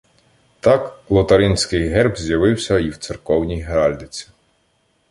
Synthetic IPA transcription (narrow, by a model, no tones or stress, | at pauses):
t̪ɑklˠɔt̪ɐɾɪnʲsʲkɪjɦɛrbzʲjɐʋɪwsʲɐiwt̪serkɔwnʲijɦeɾɑlʲd̪ɪt͡sʲi̥